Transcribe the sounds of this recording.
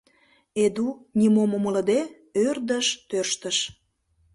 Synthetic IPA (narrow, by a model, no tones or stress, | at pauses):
ed̪unʲimomomələ̆d̪e | ørd̪əʃt̪ørʃt̪əʃ